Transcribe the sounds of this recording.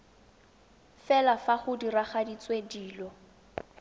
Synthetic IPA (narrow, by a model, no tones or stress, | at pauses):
fɛlafaχʊdiraχadit͡sʼwediːlɔ